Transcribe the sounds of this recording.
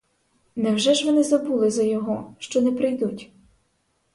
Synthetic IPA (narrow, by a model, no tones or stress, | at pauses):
nɛwʒɛʒʋɔnɪzɐbulˠɪzɐjɔɦɔʃt͡ʃɔnɛpɾɪjd̪utʲ